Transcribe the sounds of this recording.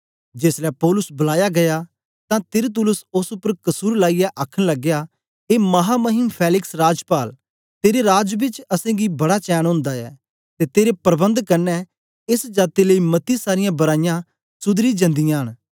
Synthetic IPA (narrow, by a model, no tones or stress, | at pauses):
d͡ʒeːslɛpɔːlʊsbɐlaːjaɡɐja | t̪ãt̪ɪɾt̪̬ʊlʊsʊsʊpːəɾkɐsuːɾlaːijaʔaːkʰəɽ̃lɐɡːeja | eːmɐɦamɐɦɪmpʰɛːlɪksɾaːd͡ʒpaːl | t̪eːɾeɾaːd͡ʒbɪt͡ʃɐsẽɡibɐɽat͡ʃɛːñɦʊ̃ːnd̪aɛ̰ː | t̪et̪eːɾepɐɾbə̃nd̪kɐɾnɛ | ɪsd͡ʒaːt̪eləimɐt̪isaːɾɪjãbɐɾaːɪjã | sʊd̪ɾid͡ʒɐ̃nd̪ɪjãɦəɽ̃